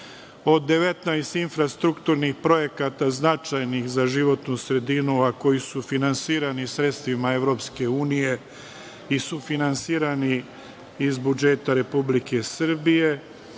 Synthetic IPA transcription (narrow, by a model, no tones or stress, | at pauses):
o̞d̪ːe̞ʋe̞t̪najst̪infɾast̪ɾukt̪uːɾnixpɾo̞je̞kat̪aznat͡ʃajnixzaʒiʋo̞t̪nusɾe̞d̪inuako̞jisufinansiːɾanisɾet̪st̪ʋimae̞ʋɾo̞pske̞uːnije̞ | isufinansiːɾani | izbud͡ʒe̞t̪aɾe̞publike̞sr̩bije̞